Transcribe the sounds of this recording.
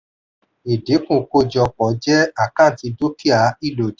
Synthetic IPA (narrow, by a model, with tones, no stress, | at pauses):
e˨de˨˦kũ˦˨ko˦˨d͡ʒɔ˧˨k͡pɔ˨˦d͡ʒɛ˦a˦˨kã˦˨ti˧do˦ki˦a˨˦i˦˨lo˨d